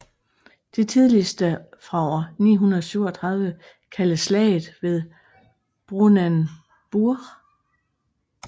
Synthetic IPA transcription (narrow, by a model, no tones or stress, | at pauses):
d̥e̝t͡sʰið̞ˠlisd̥əfʁɑ̈ɒ̰ɐnḭːɦunɐðˠsyʊɒt͡sʰʁɑ̈ð̞ˠʋə | kʰæləslɛ̰ɪð̩ˠʋe̝ð̞ˠ | b̥ʁunæn | b̥uɐʁ